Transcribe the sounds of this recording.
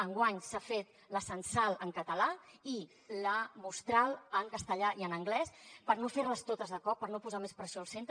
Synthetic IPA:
əŋɡwaɲsafet̪ | ləsənsalˠəŋkət̪əlai | ləmust̪ɾaləŋkəst̪əʎaʔiənəŋɡlɛspəɾnoferləst̪ot̪əzðəkɔpːəɾnopuzamespɾəsioəlˠsent̪

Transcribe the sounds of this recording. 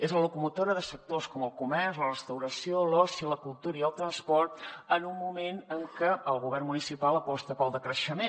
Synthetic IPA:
ezləlukumut̪oɾəðəsək̚t̪oskɔməlˠkumɛrzlərəst̪əwɾəsiolɔsiələkulˠt̪uɾəiəlˠt̪ɾənspɔrt̪ənumːumenəŋkəəlˠɣuβɛrmunisipalˠəpɔst̪əpəlˠd̪əkɾəʃəme

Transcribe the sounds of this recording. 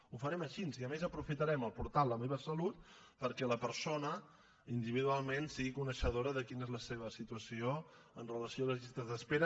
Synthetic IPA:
ufəɾɛməʃinziəmezəpɾufit̪əɾɛməlˠpuɾt̪alˠləmeβəsəlut̪̚ | pəɾkɛləpəɾsonə | ind̪iβiðualˠmensiɣikunəʃəðoɾəðəkinezləseβ̞əsit̪uəsio | ənrələsioələzʎist̪əzðəspeɾə

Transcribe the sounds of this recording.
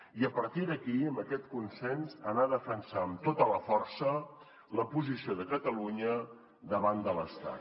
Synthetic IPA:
iəpəɾt̪iðəkiəmbəkɛt̪kunsɛnzənaðəfənsaəmt̪ot̪ələfɔrsə | ləpuzisioðəkət̪əluɲə | d̪əβand̪ələst̪a̰t̪

